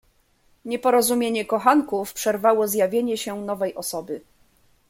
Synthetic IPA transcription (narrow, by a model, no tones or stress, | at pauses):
ɲɛpɔɾɔzumʲjeɲɛkɔxaŋkufpʂɛɾvawɔzjavʲjeɲɛɕɛnɔvɛjʔɔsɔbɘ